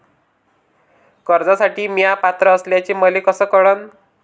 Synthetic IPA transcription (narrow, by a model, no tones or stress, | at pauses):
kəɾd͡zasaʈiːmijapat̪ɾəːsljat͡ɕeːməlekɔsəːkɔɽən